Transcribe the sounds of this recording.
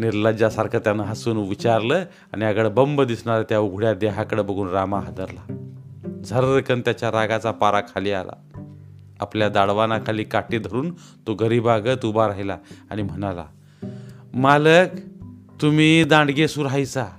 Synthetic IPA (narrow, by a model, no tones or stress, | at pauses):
niɾləd͡ʑasaɾkʰət̪janaɦəsuːnʋit͡ɕaɾlə | añiaɡəɭbəmbəd̪isɳaɾat̪jauɡʱɽjad̪eɦakəɽəbəɡʱuːnɾamaɦad̪əɾla | d͡zʱəɾɾəkənt̪jat͡ɕjaɾaɡat͡sapaɾakʰaliːala̰ | a̰pljad̪aɽʋanakʰaliːkaʈiːd̪ʱəɾuːn | t̪oɡəɾiːbaɡət̪ubaɾaɦilaa̰ɽ̃im̤əɽ̃ala̰ | maləkt̪umiːd̪ãɳɖɡesuɾajt͡sa